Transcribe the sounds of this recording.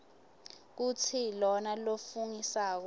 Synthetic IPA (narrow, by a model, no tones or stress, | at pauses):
k̬ut͡sʰilɔnalofuŋisaːk̬ɔ